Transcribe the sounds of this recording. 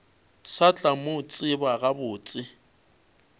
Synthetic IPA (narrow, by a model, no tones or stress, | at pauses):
sat͡ɬʼamot͡sʼɪbaɣabʊːt͡sʼɪ